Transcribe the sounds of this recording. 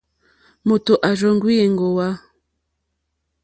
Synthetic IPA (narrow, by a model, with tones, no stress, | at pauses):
mo˨to˨ʔa˨ʒɔ˦˨ŋ˦ɡwi˦e˨ŋ˨ɡo˨wa˦